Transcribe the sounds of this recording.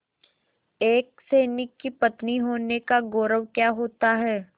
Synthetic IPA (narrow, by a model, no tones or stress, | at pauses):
eːk̚seːnɪkːipɐt̪niɦoːnekaɡoːɾəʋkjaːɦoːt̪aɦɛː